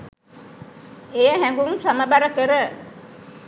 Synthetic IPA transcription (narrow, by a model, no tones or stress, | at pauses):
ejəɦæŋɡuŋsaməbaɾəkəɾə